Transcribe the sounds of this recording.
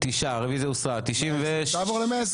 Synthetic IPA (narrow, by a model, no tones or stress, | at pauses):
t̪iʃaʁevizjausʁat̪iʃimveeʃaːvoʁlemeas